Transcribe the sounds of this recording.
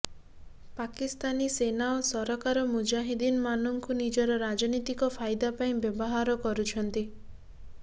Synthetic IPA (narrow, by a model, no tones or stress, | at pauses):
pakist̪anisenaosɔɾɔkaɾɔmud͡ʒaɦid̪inmanɔŋkunid͡ʒɔɾɔɾad͡ʒɔnit̪ikɔpʰajd̪apaĩbjɔbɔɦaɾɔkɔɾut͡ʃʰɔnt̪i